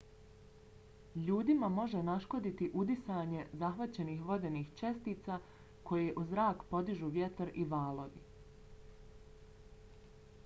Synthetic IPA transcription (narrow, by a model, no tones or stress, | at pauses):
ʎuːd̪imamo̞ʒenaʃko̞d̪it̪iʔud̪isaːɲe̞zaxʋat͡ɕe̞niːxʋo̞d̪e̞niːxt͡ʃe̞st̪iːt̪saː | kʰo̞jeʔuzɾaːkpo̞d̪iʒuʋje̞t̪ɾiʋaːlo̞ʋḭ